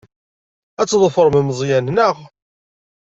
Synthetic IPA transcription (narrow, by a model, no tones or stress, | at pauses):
æt͡sːðˤfəɾˤməmzˤjænnəʁ